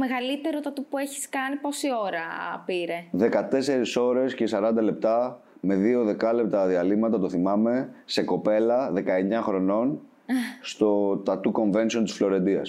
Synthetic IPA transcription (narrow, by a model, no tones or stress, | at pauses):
meɣɐlit̪e̞ɾot̪ɐt̪upueçi̥skɐnipo̞sio̞ɾɐpiɾeðe̞kɐt̪e̞se̞ɾiso̞ɾe̞sce̞sɐɾɐnd̪ɐle̞p̚t̪ɐ | me̞ðio̞ðe̞kɐle̞p̚t̪ɐðiɐlimɐt̪ɐt̪o̞θimɐme̞se̞ko̞pe̞lɐðe̞kɐe̞ɲɐxɾo̞no̞n | st̪o̞t̪ɐt̪uko̞ɱve̞nsio̞nt̪i̥sflo̞ɾe̞nd̪iɐ̰s